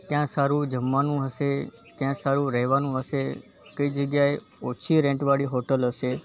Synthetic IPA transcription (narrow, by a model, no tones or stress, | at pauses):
kjãsaɾũd͡ʒəmːanũɦəʃe | kjãsaɾũɾəɦʋanũɦəʃe | kəid͡ʒəɡjae | ot͡ʃʰiɾɛ̃ɳʈʋaɽiɦoʈəlɦəʃe